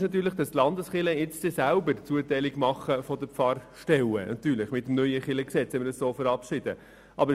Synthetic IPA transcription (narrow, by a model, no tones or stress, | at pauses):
ʃnɑt̪ːyːɾləχd̥ɑst̪lɑnd̪əsχɪləɪt͡sd̥ɛsæʊbəɾt͡suətɛɪlɪɡmɑχːəfɔdəpfɑrʃtɛwə̰nɑ̰t̪yːɾlɪχmɪtːm̩nœʏəχɪləksɛt͡shɛmədɑssoːfəɾɑpʃɪd̥ə | ʔɑbə